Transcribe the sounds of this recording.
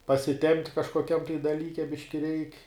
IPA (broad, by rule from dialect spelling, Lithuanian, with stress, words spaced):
pɐsʲɪˈtʲɛmʲpʲtʲ kɐʃkoːˈkʲɛm tɐɪ dɐˈlʲiːkʲɛ ˈbʲɪʃʲkʲɪ rʲɛɪkʲ